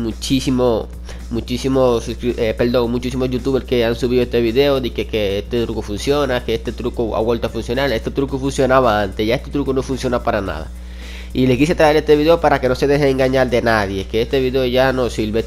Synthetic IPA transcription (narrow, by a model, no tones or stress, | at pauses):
mut͡ʃisimo | mut͡ʃisimosuskɾiepe̞ld̪o̞ŋmut͡ʃisimoʝut̪uβeke̞ansuβ̞iðoest̪eβiðe̞oðikekeest̪et̪ɾukofunsjo̞nakeest̪e̞t̪ɾukoa̰βwe̞lt̪oafunsjonaɾest̪et̪ɾukofunsjo̞naβaant̪e̞ʝaest̪et̪ɾukono̞funsjonapaɾana̰ða̰ | ilek̬is̬et̪ɾae̞ɾest̪e̞βiðe̞opaɾake̞nose̞ð̞e̞xeeŋɡaɲald̪e̞naðje̞keest̪eβiðeoʝanosilβe